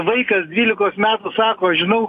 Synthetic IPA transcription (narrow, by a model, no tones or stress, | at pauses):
ʋɐɪkɐsd̪ʲʋʲiːlʲɪkoːsmʲæːt̪ʊsɑːkoːɐʃʒʲɪnɐʊ